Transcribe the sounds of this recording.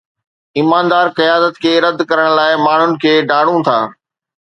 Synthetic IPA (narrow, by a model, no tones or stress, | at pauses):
iːmaːnd̪aːɾqɐjaːd̪ət̪kʰeːɾɐd̪kɐɾəɽ̃laːɪmaːɳ̤ʊnɪ̆kʰeːɖaːɽ̤ũt̪ʰa̰ː